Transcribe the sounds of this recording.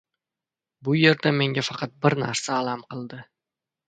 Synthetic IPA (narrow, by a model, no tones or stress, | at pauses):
bʊje̞ɾd̪ame̞ŋɡʲafɑqʰɑt̪̚bɪɾna̰ɾsaːlˠamqɨlˠd̪ɪ